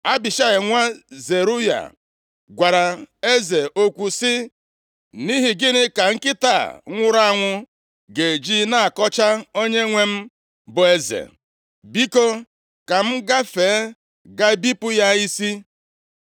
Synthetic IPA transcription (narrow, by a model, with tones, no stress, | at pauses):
a˦bɪ˨ʃa˦ɣɪ˨ŋʷa˦ze˨ɾu˦ja̰˨ | ɡʷa˨ɾa˨e˦ze˨ʔo˦kʷu˨sɪ˦ | ni˦ɦi˨ɡɪ˦nɪ˦ka˨ŋ̩˦kɪ˦ta̰˦˨˦ŋʷʊ˦ɾa˦a˦˨ŋʷʊ˦ | ɡe˨d͡ʒi˦na˦a˨kɔ˦t͡ʃa˦o˦ɲe˦ŋʷe˦m̩˦ | bʊ˨e˦zḛ˨ | bi˦ko˦ | ka˨m̩˦ɡa˦feː˨e˦ | ɡa˦bi˦pʊ˦ja˦i˦si˦